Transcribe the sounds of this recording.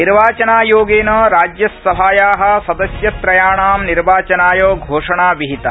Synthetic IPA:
niɾʋaːt͡ʃɐnaːjoːɡeːnɐɾaːd͡ʒjɐsːɐɦaːjaːɦɐ̆sɐd̪ɐsjɐt̪ɾɐjaːɳaːmniɾʋaːt͡ʃɐnaːjoːɡʱoːʂɐɳaːʋiɦit̪ɐ

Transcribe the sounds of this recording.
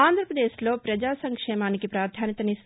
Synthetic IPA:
aːnd̪ʱɾəpɾɐd̪eːʃloːpɾɐd͡ʒaːsɐŋkʂeːmaːnikipɾaːɾd̪ʰʱaːnit̪ɐnis

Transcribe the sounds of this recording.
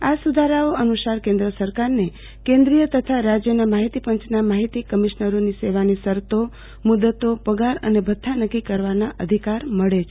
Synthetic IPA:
asud̪ʱaɾaoənusaɾkẽnd̪ɾəsəɾkaɾne | kẽnd̪ɾijət̪ət̪ʰaɾad͡ʒjənamaɦit̪ipəɲt͡ʃnamaɦit̪ikəmiʃnəɾoniseʋanisəɾt̪o | mud̪ət̪opəɡaɾə̰nebʱət̪ʰːanəkːikəɾʋanaʔəd̪ʱikaɾməɭet͡ʃʰ

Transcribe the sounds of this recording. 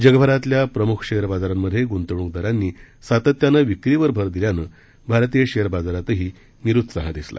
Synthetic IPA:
d͡ʑəɡbʱəɾat̪ljapɾəmukʰɕeəɾbad͡zaɾamːəd̪ʱːjeɡunt̪əɽũŋk̚d̪əɾanːiːsat̪ət̪ːjanəʋikɾiʋəɾbʱəɾd̪iljanə | bʱaɾt̪ijəɕejəɾbad͡zaɾat̪əɦiː | niɾut̪ːsaɦãd̪isla̰

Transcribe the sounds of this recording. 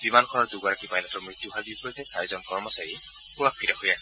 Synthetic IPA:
bimanɔkʰɔnɔɾd̪uɡaɾɔkipajnɔt̪ɾɔmɾit̪juɦabipɔit̪esajzɔnkɔɾmɔsaji | puapʰiɾaɦojasi̥

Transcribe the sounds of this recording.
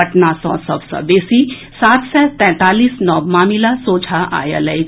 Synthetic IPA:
ʈnasɔ̰̃sə̰bsə̰besi | sat̪sɛt̪ɛ̃t̪aliːsnɔbmaːmilasoːd͡ʒʱaʔa̰jə̰ləj

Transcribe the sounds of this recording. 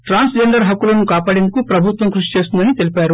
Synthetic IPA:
ʈɾaːnsd͡ʒeɳɖɐɾɦɐkːulɐnukaːpaːɽe̞nd̪ukupɾɐbʱut̪ʋɐŋkɾuʂi̥t͡ʃe̞ːst̪undɐnit̪elipaːɾu

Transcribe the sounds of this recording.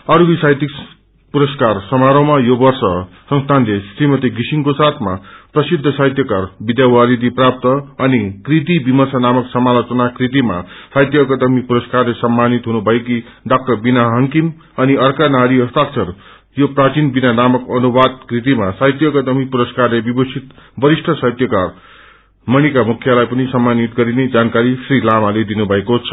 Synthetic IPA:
ʌɾuɡisajt̪ik | puɾʌskarsʌmaɾõmajobʌrsʌ | sʌ̃ŋst̪ʰanlesrimʌt̪iɡisiŋkosat̪ʰma̰prʌsid̪ʱːʌsajt̪jʌkarbid̪jawaɾid̪iprap̚t̪ʌʌnikrit̪̬ibimʌsanamʌksʌmalat͡sunakrit̪̬ima̰sajt̪jʌkʌt̪ʌmipuɾʌskarlesʌmːanit̪ɦunubʱʌeki | ɖak̚ʈʌrbinaɦʌŋkim | ʌniʌrkanaɾiʌst̪ak̚t͡sʰʌr | joprat͡sinbinanamʌkʌnubad̪̚krit̪̬imasajt̪jʌɡʌt̪ʌmipuɾʌskarlebibʌsʰit̪bʌɾisʈʰʌsʌjt̪jʌkar | mʌɽ̃ikamukʰjalajpʌnisʌmːanit̪ɡʌɾined͡zankaɾisɾilamaled̪inubʱʌekot͡sʰʌ̥

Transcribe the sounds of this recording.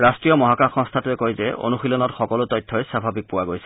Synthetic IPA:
ɹastɹijɔmɔɦakaxɔŋst̪ʰatuɛkojzɛo̰nuxilɔnɔtxɔkɔlʊtɔjtʰːɔjsabʱabik̚pʊwaɡojsɛ

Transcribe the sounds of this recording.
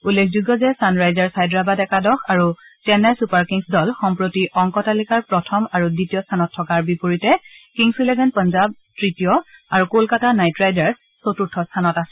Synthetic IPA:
ulːekʰzuɡɔzɛsanɹajzaɹsajdɹabadɛkadɔxʰaɹutɛnɛsupaɹkiŋsdɔlxɔmpɹotiʔɔŋkɔtalikaɹpɹɔtʰɔmaɹuditijɔstʰanɔtʰːɔkaɹbipoɹitɛkiŋsilɛɡʱɛnpɔnzab̚tɹitijɔaɹukolkatanajtɹajdaɹsːotutʰːɔstʰanɔtasɛ

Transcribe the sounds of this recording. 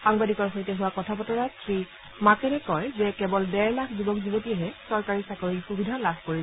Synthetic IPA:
xaŋbadikɔɹxojtɛɦʊwakɔtʰapɔtɔɹasʰɹi | makɛnɛkɔjzɛkɛbɔldɛɹlakʰzibɔkzibotiɛɦɛsɔɹkaɹisakoɹixubidʱalabʱkoɹisɛ

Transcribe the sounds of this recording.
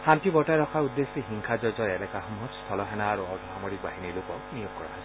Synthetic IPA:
hamtibɔtaɾɔkʰaud̪ːesiɦiŋkʰazɔɹzɔɹɛlɛkaɦɔmɦɔtst̪ʰɔlɔɦɛnaːɹuɔdʱɔɦamoɹik̚baɦinilʊkɔk̚nijob̚kɔɹa̰ɦɔs

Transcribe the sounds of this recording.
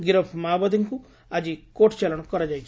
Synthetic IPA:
ɡiɾəpʰmaːbad̪iŋku | ad͡ʒikoʈt͡ʃalɔɽ̃kɔɾad͡ʒajt͡ʃʰ

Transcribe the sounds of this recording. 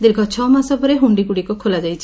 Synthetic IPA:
d̪ekʰɔt͡ʃʰɔmasɔpɔɾeɦuɳɖiɡuɽikɔkʰolad͡ʒajt͡ʃʰi

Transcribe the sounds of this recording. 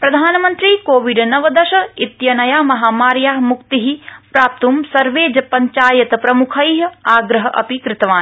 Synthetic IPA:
pɾɐd̪ʱaːnɐmɐnt̪ɾiːkoːʋiɖnɐʋɐd̪ɐʃɐit̪jɐnɐjaːmɐɦaːmaːɾjaːɦmukt̪iɦipɾaːp̚t̪umsɐɾʋeːd͡ʒɐpɐɲt͡ʃaːjɐt̪ɐpɾɐmukʰɐjɦɐaːɡɾɐɦɐ̆ʔɐ̰pikɾɪt̪ɐʋaːni

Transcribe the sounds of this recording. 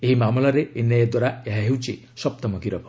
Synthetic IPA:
eɦimamlaɾeenajɔd̪waɾaeɦaɦewt͡ʃʰḭ | sɔp̚t̪ɔmɔkiɾɔbʱɔ

